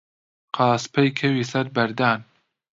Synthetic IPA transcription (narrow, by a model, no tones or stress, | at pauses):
qʰɑːspʰejkʰɐwiːsɐɾbɐɾd̪aːn